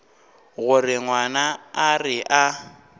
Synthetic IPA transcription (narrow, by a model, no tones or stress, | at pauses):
ɣʊrɪŋwanaːrɪʔa